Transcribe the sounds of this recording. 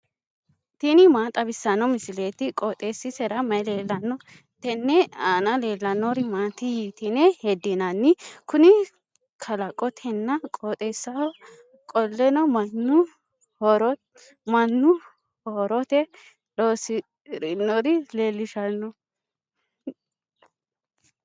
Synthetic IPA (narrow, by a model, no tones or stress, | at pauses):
t̪inɪmaːt̪ʼɐbɪsːɐnːɔmɪsɪleːt̪ɪkʼoːt̪ʼeːsːɪsɛɾɐmɐjleːlːɐnːɔ | t̪ɛnːɛaːnɐle̞ːlːɐnːɔɾɪmaːt̪ɪjit̪ɪnɛhɛd̪ːɪnɐnːɪkʊnɪ | kʰɐlɐkʼːɔt̪ʰɛnːɐkʼoːt̪ʼeːsːɐɔ | kʼɔlːɛnɔmɐnːʊ | hɔɾɔ | mɐnːʊ | hoɾɔt̪ɛ | loːsɪ | ɾɪnːɔɾɪleːlːɪʃɐnːɔ